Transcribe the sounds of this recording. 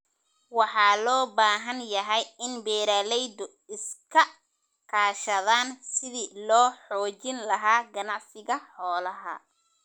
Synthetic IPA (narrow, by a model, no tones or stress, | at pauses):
wɑħɑːlɔːbaːɦɐnjɐɦɛjɪnbɛːɾaːlɛjd̪ɔ | ɪskʰɐ | kʰaːʃɐðaːnsɪðilɔːħɔːt͡ʃɪnlɐɦaːɡɐnɑʕsɪɣɐħɔːlɐɦɐ̰